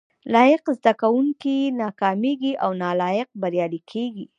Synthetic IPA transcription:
lɑjɪqzd̪akawuŋkinɑkɑmeɡiʔawnɑlɑjɪq̚baɾjɑlikʰeɡi

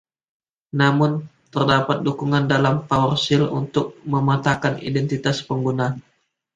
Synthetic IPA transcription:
namʊnt̪ərdapat̪̚dukuŋandalampaɔrsɪlṵnt̪ʊk̚məmat̪akanḭdɛnt̪it̪aspəŋɡuna

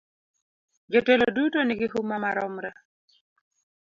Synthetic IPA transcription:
d͡ʒotelodutoniɡiɦumːamaɾɔmɾɛ

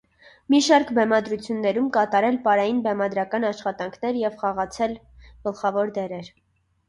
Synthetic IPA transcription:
miʃɑɾkbɛmɑd̪ɾut͡sʰjunːɛɾumkɑt̪ɑɾɛlpɑɾɑjinbɛmɑd̪ɾɑkɑnɑʃχɑt̪ɑŋkʰnɛɾjɛvχɑʁɑt͡sʰɛl | ɡ̥əlχɑvɔɾd̪ɛɾɛɾ

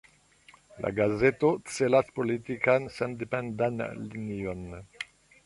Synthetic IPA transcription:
lʔa̰ɡazet̪ott͡selaspolit̪ikansãnd̪ipɛ̃nd̪anlinion

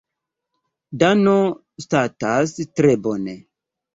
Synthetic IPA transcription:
dano | statastɾebone

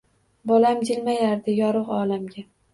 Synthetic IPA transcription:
bɒlamd͡ʒɪlmajaɾd̪ɪjɒɾɨqɒlamɡʲa

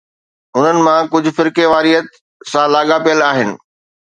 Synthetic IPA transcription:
ʊn̤ənɪ̆mãkʊd͡ʑʱʊ̆fɪɾkeʋaːɾiət̪ | sãlaːɠapijəlaːɦɪnɪ̆

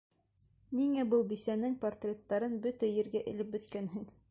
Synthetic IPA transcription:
niŋæbɤlˠbisænɘŋport̪rʲet̪ːɑɾɤnbɵt̪æjɘ̆ɾɡæʔɘ̰̆lɘp̚bɵ̆t̪kænɦɘŋ

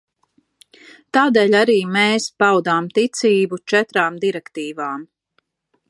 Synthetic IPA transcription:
t̪aːd̪eːʎʲaɾiːmeːspawd̪aːmt̪it̪siːbut͡ʃɛt̪ɾaːmd̪iɾɛkt̪iːvaːm

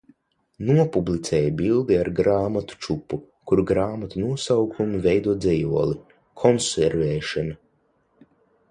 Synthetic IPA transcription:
nuɔpublit̪sɛːjabilˠd̪iaɾɡɾaːmat̪u̥t͡ʃupːu | kuɾɡɾaːmat̪unuɔsawkʰumuvɛjd̪uɔd̪zʲɛjuɔlˠi | kʰɔnsɛɾvɛːʃɔna

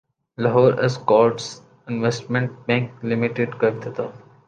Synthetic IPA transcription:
lɐɦoːɾɛzkɔːɾɖs | ɪ̃nʋesʈmẽɳʈ̚bɛ̃ŋklɪmɪʈeɖkɐɾt̪ɪt̪aː

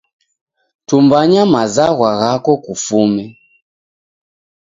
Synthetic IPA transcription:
tumbaɲamazaɣwaɣakɔkufumɛ

